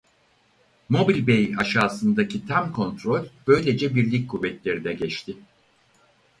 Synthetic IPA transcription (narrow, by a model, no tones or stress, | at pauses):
mo̞bilʲbejaʃaːsɯnd̪acʰit̪ʰæmkʰo̞nt̪ɾo̞lʲbø̞jlʲe̞d͡ʒɛbiɾlʲicʲkʰuvːɛt̪lʲe̞ɾinɛɟɛt͡ʃt̪ʰɪ